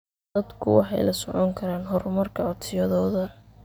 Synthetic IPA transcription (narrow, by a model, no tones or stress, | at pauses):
d̪ɐd̪kʰʊ̰wɑ̰ħɑ̰jlɐsɔʕɔŋkʰɐɾaːnɦɔɾmɐrkʰɐɔt̪ʰɪjɐðɔːðɐ